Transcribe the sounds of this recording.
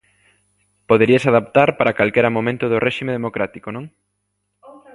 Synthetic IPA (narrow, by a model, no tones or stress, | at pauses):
poðeɾiɐsaðap̚t̪aɾpaɾakalkeɾamomẽnt̪ʊðʊrʔeʃimeðemokɾat̪ikonõŋ